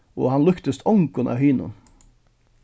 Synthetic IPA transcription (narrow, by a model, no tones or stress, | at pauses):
o̰ːhɑnlʉkt̪əst̪ʰɔŋkʊnʔɑ̰ːhyːnʊ̰n